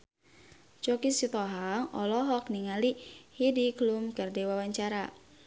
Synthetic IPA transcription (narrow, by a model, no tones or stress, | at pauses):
t͡ʃɔkisit̪ɔɦaŋɔlɔɦɔk̚niŋalihidiklumkərdewawaɲt͡ʃaɾa